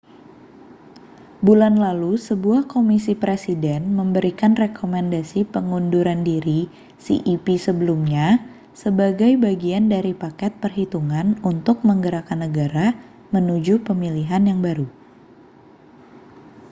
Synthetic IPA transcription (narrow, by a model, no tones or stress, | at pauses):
bulanlalusəbuahkomisipɾesidɛnməmbəɾikanrekʰomɛndasipəŋunduɾandiɾi | sḭʔipisəbəlumɲa | səbaɡajbaɡiandaɾipakɛt̪̚pərɦit̪uŋanunt̪ʊk̚məŋɡəɾakanːəɡaɾa | mənud͡ʒupəmiliɦanjaŋbaɾu